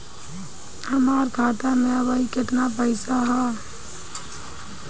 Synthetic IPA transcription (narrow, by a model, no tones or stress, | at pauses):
ɐmaːɾɡʱaːʈ̪amẽɐbaːikɪt̪napəɪsaɦɛ